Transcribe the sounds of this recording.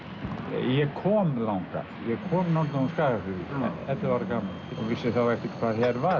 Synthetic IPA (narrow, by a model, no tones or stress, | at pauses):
jɛkʰɔːmlawŋka̰ | jɛɣkʰɔːmnɔnt̪aunskaːɣafʏviɛ̰nɛt̪lavaɾkaːmalɔvɪsːɪθawɛfc̪ɪkʰvaːðɦɛɾva